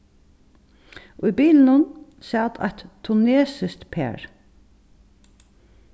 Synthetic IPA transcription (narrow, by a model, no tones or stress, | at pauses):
ʔʊibiːln̩ʊnsɑːt̪ʰɑ̰ɪt̪t̪ʰːʊneːsɪst̪pʰḛːɹ